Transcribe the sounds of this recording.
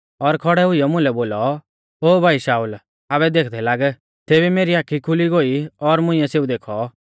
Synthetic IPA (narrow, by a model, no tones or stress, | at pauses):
ɔɾkʰɔɽɛɦʊijɔmʊ̃lɛboːlɔ | oːbʱaːiʃaːuːl | aːbɛd̪eːkʰd̪ɛlaːɡɛ | t̪eːbimeːɾiaːkʰikʰʊliɡoiɔɾmʊ̃ĩjɛ̃seːud̪eːkʰɔ